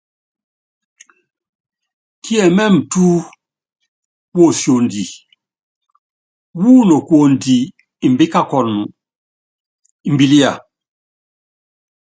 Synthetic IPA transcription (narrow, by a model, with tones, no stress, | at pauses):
kʰi˦ɛ˨mɛ˦m˨tu˦ | wo˦˨sjo˨ndi˨ | wu˦no˨kwo˨ndiː˨ | mbi˦ka˦˨kɔ˨nu˨ | i˨m˨bi˦li˦a˨